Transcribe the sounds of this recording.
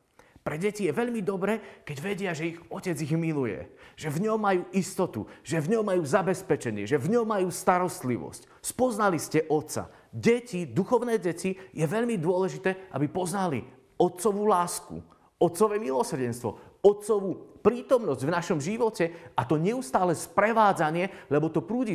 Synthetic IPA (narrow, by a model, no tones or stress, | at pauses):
pɾɛɟɛcijɛʋɛʎmid̪ɔbɾɛːkɛɟʋɛɟɪaʒɛiɣɔcɛd͡ziɣmilujɛ̰ʒ̥ɛvɲɔmːajuːʔist̪ɔt̪ṵʒɛvɲɔmːajuːzabɛspɛt͡ʃɛɲɪɛ̰ʒɛvɲɔmːajuːst̪aɾɔst̪lḭʋɔ̰sc | spɔznaliscɛʔɔt̪sa̰ | ɟɛcid̪uxɔʊnɛːɟɛcijɛʋɛʎmid̪ʊɔlɛʒit̪ɛːʔa̰bipɔznalḭ | ɔt̪sɔʋuːlaːskṵ | ɔt̪sɔʋɛːmilɔsr̩ɟɛnst̪ʋɔ̰ɔt̪sɔʋuːpɾiːt̪ɔmnɔzɟvnaʃɔmʒiʋɔcɛat̪ɔɲɛust̪aːlɛspɾɛʋaːd͡zaɲɪɛlɛbɔt̪ɔpɾuːɟi